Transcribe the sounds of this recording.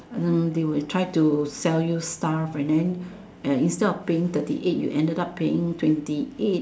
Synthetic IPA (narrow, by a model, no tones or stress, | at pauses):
dewiltʰɹaɪtusɛljustafɛ̃ndɛ̃n | əĩnstɛdɔfpeɪ̃ŋt̪ətḭʔet̚jṵʔɛ̃ndədappʰːeɪ̰̃ŋtʰwɛ̃ntiet̚